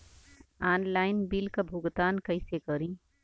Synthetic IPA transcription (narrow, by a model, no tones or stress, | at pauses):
aːnlaːɪnbilkabʱʊɡt̪aːnkəɪsekəɾĩ